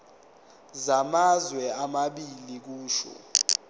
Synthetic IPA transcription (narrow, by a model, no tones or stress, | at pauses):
zamazwɛamaɓilik̬uːʃɔ̰